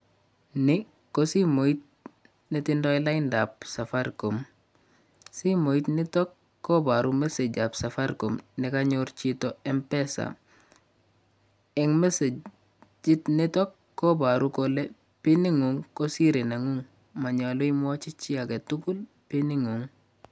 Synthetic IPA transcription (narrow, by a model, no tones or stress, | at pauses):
nɪ | kosimoit̚ | nitindoilaindap̚safaɾkom | simoitnitɔkː | obaɾumeseɟapsafaɾkomnikaɲoɾt͡ʃitoempesa̰ | ɛŋmese | d͡ʒitnitɔkːobaɾukole | piniŋuŋkosiɾinaŋuŋ | maɲaluimwot͡ʃit͡ʃiaketukul | piniŋuŋ